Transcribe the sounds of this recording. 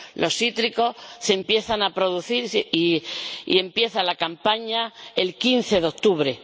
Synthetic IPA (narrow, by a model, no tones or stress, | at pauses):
lʔo̞sit̪ɾiko̞se̞mpje̞θanapɾo̞ðuθiɾiḭe̞mpje̞θalakampaɲae̞lkin̟θe̞ðokt̪uβɾe̞